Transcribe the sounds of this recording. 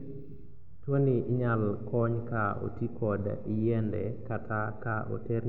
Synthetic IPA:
twoniʔɪɲalkɔɲkao̰tikɔd̰ijɛndɛ̰katʰakaʔo̰ter

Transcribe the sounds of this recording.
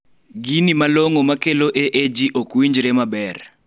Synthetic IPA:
ɡinimaloŋomakeloʔeʔed͡ʒiʔokwiɲd͡ʒɾemabɛr

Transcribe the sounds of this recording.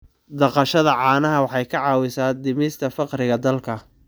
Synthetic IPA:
d̪ɐqɑʃɐðɐʕɑːnɐɦɐwɑħɑjkʰɐʕɑːwɪsaːd̪ɪmɪst̪ʰɐfɑqɾɪɣɐd̪ɐlkʰɐ

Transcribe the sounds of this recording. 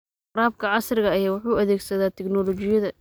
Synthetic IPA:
ɾaːb̚kʰɐʕɑsrɪɣɐːjaːwʊħuːɐðɛːɡsɐðaːt̪ʰɛɡnɔlɔt͡ʃɪjɐðɐ

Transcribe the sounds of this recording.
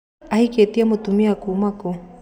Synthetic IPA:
ahiket̪iamot̪umiakumako

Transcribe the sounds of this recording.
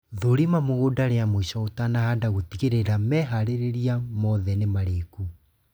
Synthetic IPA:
ðoɾimamoɣodaɾeamoiʃɔotanahadaɣotiɣeɾeɾamɛɦaɾeɾeɾiamɔðɛnemaɾeku

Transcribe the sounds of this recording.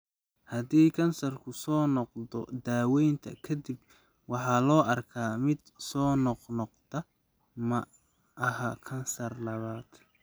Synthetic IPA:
hɐd̪iːkʰɐnsɐrkʰʊsɔːnɔqd̪ɔd̪aːwɛjnt̪ʰɐ̰kʰɐd̪ɪb | wɑħɑːlɔːʔɐrkʰaːmɪd̪sɔːnɔqnɔqt̪ʰɐ | mɐ | ʔɐɦakʰɐnsɐrlɐβaːd̪̥

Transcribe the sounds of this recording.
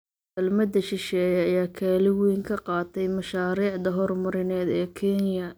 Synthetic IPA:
ɐlmɐd̪ɐʃɪʃɛːjɐɐjaːkʰaːlɪwiːŋkʰɐqɑːt̪ʰɛjmɐʃaːɾiːʕd̪ɐɦɔrmɐɾɪnɛːd̪ɛːkʰɛnjɐ

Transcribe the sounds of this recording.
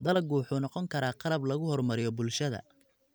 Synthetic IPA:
d̪ɐlɐɡuːħuːnɑqɔŋkʰɐɾaːqɑlɐblɐɣʊhɔrmɐɾɪjɔbʊlʃɐðɐ̰

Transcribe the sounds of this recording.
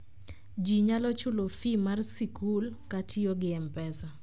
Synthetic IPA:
d͡ʒiɲalɔt͡ʃulofimarsikulkatʰijoɡɪɛmpɛsa

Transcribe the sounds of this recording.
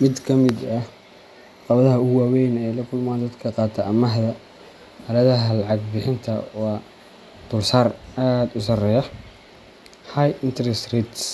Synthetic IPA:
mɪd̪kʰɐmɪd̪ɐ | qɑβɐðɐɦɐʊwaːwɛjnɛjlɐkʰʊlmaːnd̪ɐd̪kʰɐqɑːt̪ʰɐʔɐmɐɦðɐ | hɐlɐðɐɦɐlɑʕɑɡbɪħɪnt̪ʰɐwɑː | d̪̥ʊlsaːraːd̪ʊsɐrɛjɐ | hajɪnt̪ʰɾɛst̪rit̪s

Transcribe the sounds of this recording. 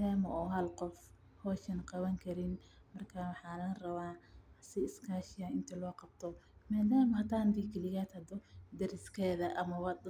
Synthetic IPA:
daːmɐɔːɦɐlqɔf | hɔːʃɐnqɑβɐŋkʰɐɾɪn | mɐrkʰaːwɑħɑːlɐnrɐβaːsɪɪskʰaːʃɪjaɪnt̪ʰɐlɔːqɑb̥̚t̪ʰɔmaːd̪aːmɐhɐt̪ʰaːnd̪iːkʰɪlɪɣaːt̪hɐd̪ɔd̪ɐɾɪskʰɛːðɐʔɐmɐwɑd̪

